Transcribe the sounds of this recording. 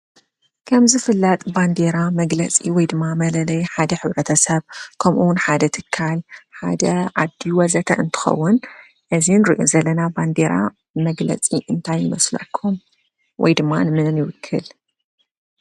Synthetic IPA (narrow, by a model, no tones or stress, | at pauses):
kʰɐmzɨfɨlːɐt̪ʼband̪eɾamɐɡlɐt͡sʼiwɔjd̪ɨmːamɐlɐlɐjħad̪ɐħɨβɾɐt̪ʰɐsɐβkʰɐmʔuwʊnħad̪ɐt̪ʰɨ̥kʰːalħa̰d̪ɐʔad̪ːiwɐzɐt̪ʰɐ̰ʔɨnt̪ʰɨ̥xɐ̰wːʊn | ʔɨzinɾḭʔo̰zɐlːɐnaband̪eɾa̰ | mɐɡlɐ̰t͡sʼiʔɨnt̪ʰajːɪmɐ̰slɐ̰kʰːum | wɔ̰jd̪ɨmːanɨmɨnɨnjɪwɨkʰːɨ̰l